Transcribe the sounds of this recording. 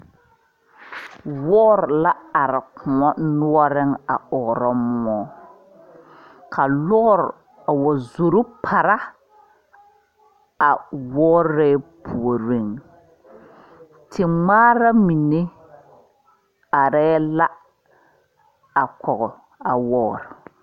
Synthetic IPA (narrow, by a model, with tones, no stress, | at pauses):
wɔː˦ɾla˦a˨ɾɪ˨kʰʊ˨ɔ˦nʊ˦ɔ˦ɾɪ˦ŋa˨ɔ˨ɾɔ˦mʊ˦ɔ˦ | kʰa˨lɔ˦ɾ | a˨wɔ˨zo˨ɾʊ˦pʰa˨ɾa˦ | a˨wɔː˦ɾɛː˦pʰu˨o˨ɾɪ˦˨ŋ | tʰɪ˨ŋ͡maː˦ɾa˦mi˨ne˦ | a˨ɾɛː˦la˦ | a˨kɔ˨ɣɔ˨ | a˨wɔː˦˨ɾ